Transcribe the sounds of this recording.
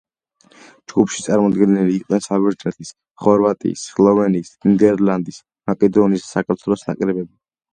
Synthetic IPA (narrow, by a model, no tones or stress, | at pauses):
d͡ʒɡupʰʃit̪sʼaɾmɔd̪ɡɛnɛliːqʼnɛnsavɛɾd͡ʒ̪ɾɛt̪ʰis | χɔɾvat̪ʼḭːsːlˠɔvɛniːsind̪ɛɾland̪is | makʼɛd̪ɔniːsːakʰʼaɾt̪ʰwɛlˠɔsna̰kʼɾɛbɛbi